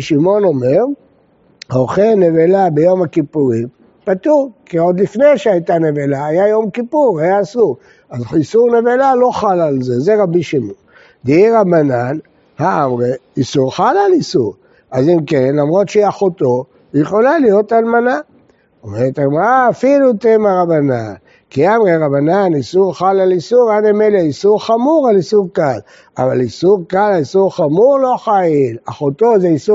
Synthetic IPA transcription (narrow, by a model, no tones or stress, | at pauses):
ʃimo̞no̞meʁ | hoχene̞velabejo̞makipuʁim | pat̪uʁkio̞d̪lifne̞jʃeajt̪ane̞velaːjajo̞mkipuʁajaːsuʁ | azisuʁne̞velalo̞χalalze̞zeʁabiʃimon | d̪iiʁabanan | haamʁe | isuʁχalalisṵʁ | azimkenlamʁo̞t̪ʃeaχot̪o̞ | jeχo̞lalijo̞talmana | omeʁet̪aɡmaʁaːfilut̪emaʁabanan | kiamʁeʁabananisuʁχalalisuʁanemeleisuʁχamuʁalisuʁkal | avalisuʁkalaisuʁχamuʁlo̞χailaχot̪ozeisu